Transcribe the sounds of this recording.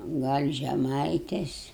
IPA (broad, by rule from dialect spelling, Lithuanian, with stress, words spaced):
ˈɡɐlʲ ʒʲɛˈmɐɪtʲeːs